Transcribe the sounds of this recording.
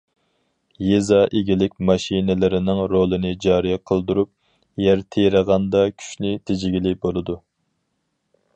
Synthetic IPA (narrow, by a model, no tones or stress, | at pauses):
jezɑʔeɡʲilɪkʲmɑʃinɪlɪɾɪnɪŋɾolˠɨnɪd͡ʒɑːɾijɛqʰəlˠd̪uɾup̚ | jæɾt̪ʰejɾəʁɑnd̪ɑkʲʰy̥ʃnɪt̪ʰed͡ʒɪɡʲilɪbolˠɨd̪u